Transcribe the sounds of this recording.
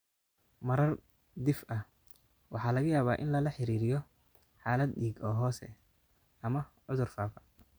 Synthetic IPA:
mɐɾɐr | d̪ɪfɐh | wʔɑħɑːlɐɣɐjaːβaːʔɪnlɐlɐħɪɾiːɾɪjɔ | ħɑːlɐd̪ɗiːɡɔːɦɔːsɛ̰ | ɐmɐʕʊðʊrfaːfɐ̥

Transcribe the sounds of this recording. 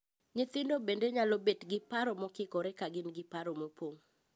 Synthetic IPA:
ɲɪt̪ɪndobendeɲalɔbetɡɪpaɾɔmɔkɪkɔɾɛkaɡɪnɡɪpaɾomopoŋ

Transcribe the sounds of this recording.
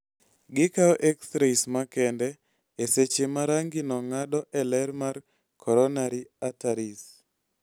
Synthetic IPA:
ɡɪkaɔʔeksɾesmakɛndɛ | eset͡ʃemaɾaŋɡinɔŋadɔʔɛlɛrmar | kʰɔɾɔnaɾiataɾis

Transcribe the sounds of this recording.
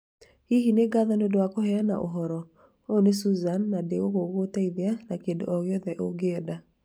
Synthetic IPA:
hiɦineɡaðanodowakohɛanaʔoɦɔɾɔ | onesuzanːadeɣoɣoɣotaiðeanakendo̰ʔɔɣeɔðɛʔoɡeɔda

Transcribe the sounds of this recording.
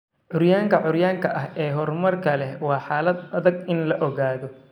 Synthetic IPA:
ʕʊrjaːŋkʰɐʕʊɾjaːŋkʰɐʔɐɦɛːɦɔrmɐrkʰɐlɛwɑːħaːlɐd̪ɐðɐɡɪnlɐʔɔɣaːðɔ

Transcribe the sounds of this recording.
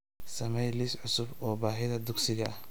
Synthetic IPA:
sɐmɛjlɪsʕʊsʊbɔːbaːɦɪðɐd̪ʊɡsɪɣɐɐh

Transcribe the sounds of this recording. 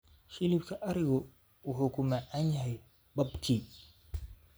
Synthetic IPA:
ʃɪlɪbkʰɐʔɐɾɪɣɔ | wʊħukʰʊmaʕanjɐɦɛj | bɐbkʰiː

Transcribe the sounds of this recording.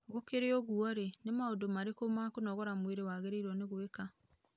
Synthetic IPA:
ɣokeɾeɔɣuɔɾenemaodomaɾekomakonɔɣɔɾamweɾewaːɣeɾeiɾwɔneɣoeka

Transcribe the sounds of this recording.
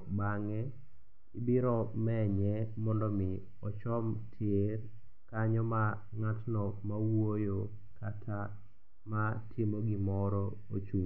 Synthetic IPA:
baŋɛ | ibiɾɔmɛɲɛmɔndɔmɪ | ɔt͡ʃɔmtʰjer | kaɲɔma | ŋatnɔmawojo | katʰa | matʰimoɡɪmɔɾɔ | ot͡ʃu

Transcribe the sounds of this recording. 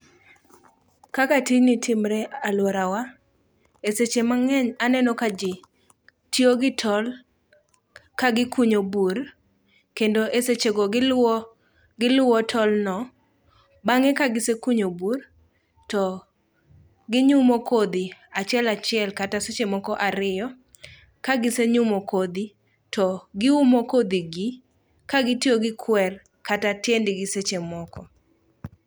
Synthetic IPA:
kakatinitʰɪmɾɛalwɔɾawa | eset͡ʃemaanɛnɔkad͡ʒɪ | tjoɡɪtʰɔl | kaɡɪkuɲobur | kendoʔeset͡ʃeɡɔɡɪl | ɡɪlʊwɔtʰɔlnɔ | baŋekaɡɪsekuɲobur | tɔ | ɡɪɲumokod̪iat͡ʃɛlat͡ʃjɛlkataset͡ʃemɔkɔʔaɾɪjɔ | kaɡɪseɲumokod̪i | tɔɡɪumokod̪iɡi | kaɡɪtioɡɪkʰwɛr | katatendɪɡɪset͡ʃemɔkɔ

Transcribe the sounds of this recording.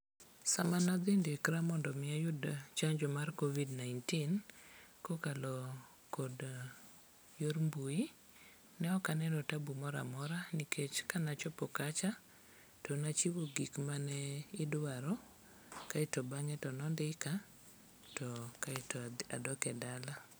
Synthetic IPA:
samanad̪ɪndɪkɾamɔndɔmɪajʊdt͡ʃaɲd͡ʒɔmarkovidnajntinkokalɔ | kɔd | joɾmbui | nɛɔkanɛnɔtabumɔɾa̰mɔɾanikʰet͡ʃkanat͡ʃɔpɔkat͡ʃa | tɔnat͡ʃiwoɡikmanɛɪdwaɾɔ | kaɪtɔbaŋɛtɔnɔndɪka | tɔkaɪtɔa̰dɔkɛdala

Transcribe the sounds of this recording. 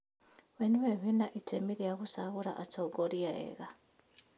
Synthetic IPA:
weniweβinaʔitʰemiɾiaɣusaβuɾa̰ʔatoɡoɾiaḛɣa

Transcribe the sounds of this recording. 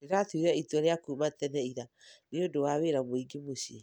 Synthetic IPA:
eɣatuiɾɛitwɔɾeakuːmatɛnɛiɾa | neodowaweɾamoiɡimosi

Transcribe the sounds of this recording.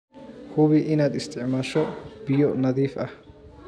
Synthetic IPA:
hʊβɪʔɪnɐd̪ɪst̪ʰɪʕmaːʃɔbɪjɔnɐðiːfɐ

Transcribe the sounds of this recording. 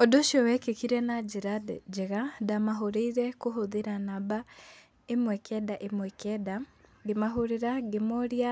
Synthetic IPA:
odoʃjɔwɛkekiɾɛnad͡ʒeɾadd͡ʒeɣadamaɦoɾeiɾɛkoɦoðeɾanaba | emwɛkʰɛdaʔemwɛkʰɛdaɡemaɦoɾeɾaɡemoɾia

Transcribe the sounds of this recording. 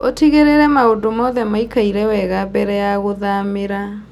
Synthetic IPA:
otiɣeɾeɾɛmaodomɔðɛmaikaiɾɛwɛɣabɛɾɛjaɣoðameɾa

